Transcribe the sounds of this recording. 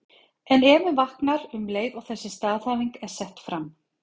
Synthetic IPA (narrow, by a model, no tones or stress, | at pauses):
ɛnɛːmɪnvahknaɾʏmleːjðaɣθɛsːɪst̪aːðθajviŋkɛɾ̥sɛht̪fɾam